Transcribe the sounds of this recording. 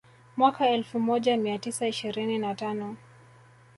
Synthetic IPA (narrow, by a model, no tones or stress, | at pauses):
mwakaɛlfumɔʄamiatisaiʃiɾininatanɔ